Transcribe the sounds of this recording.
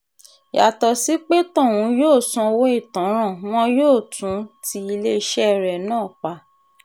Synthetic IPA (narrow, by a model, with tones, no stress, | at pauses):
ja˨tɔ˨si˨˦k͡pe˦tɔ̃˦˨w̃ũ˨˧˦joː˦˨sũ˧wo˦i˦˨tã˨˦ɾ̃ã˦˨w̃ɔ̃˦joː˦˨tʰũ˨˦ti˧i˧le˦i˧ʃɛ˦˨ɾɛ˨nãː˦˨k͡pa˧˦